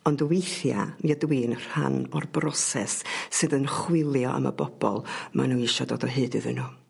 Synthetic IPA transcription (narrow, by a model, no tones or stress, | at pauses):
ɔndəwejθja̰niədwiːnr̥ha̰nɔrbrɔsɛsːɨðənχwɪlˠjɔʔa̰ma̰bɔb̥ɔlˠmʔa̰nuːiʃɔdoːdɔɦɨːdɨðɨnu